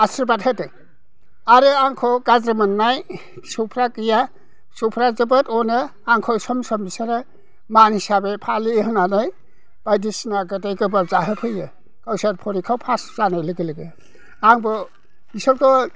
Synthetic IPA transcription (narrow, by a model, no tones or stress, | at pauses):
asɾibathatɯ | aɾɯaŋkʰɔɡazɾɯmɯnːaj | sɔwpʰɾakɯja | sɔpʰɾazɯbɯtɔnɯ | aŋkʰɔsɔmsɔmisaɾɯ | manhisabepʰaliɦɯnanɯj | b̥ajdisnaɡɯtejɡɯbazaɦɯpʰɯjɯ | kawsaɾpʰɔɾikʰawpʰaszanajlɯɡɯlɯɡe | aŋbɔ | isɔɾkʰɔ